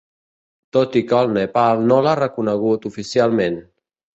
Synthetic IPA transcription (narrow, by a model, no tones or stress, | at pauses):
t̪ot̪ikəlˠnepalˠnolarəkunəɣ̞ut̪ufisialˠmen